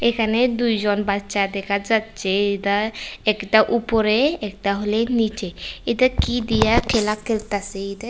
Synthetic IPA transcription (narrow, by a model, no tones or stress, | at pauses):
ekʰaned̪ujd͡ʒɔnbatːʃad̪ɛkʰad͡ʒat̪t͡ʃeed̪aɛkʈaʔupɔɾeɛkʈaɦolenit͡ʃeed̪akid̪ijakʰelakʰːelt̪aseid̪a